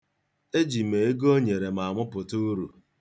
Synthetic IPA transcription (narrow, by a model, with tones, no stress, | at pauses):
e˦d͡ʒi˨me˨e˦ɡo˦ɲe˨ɾe˨ma˨mʊ˦pʊ˨tu˦ɾṵ˨